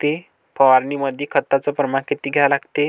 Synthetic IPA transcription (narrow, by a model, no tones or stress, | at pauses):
t̪e | pəʋaɾniməd̪ʱjekʰət̪ːat͡sɔpɾəmaɳkit̪iːɡʱɛlaɡt̪e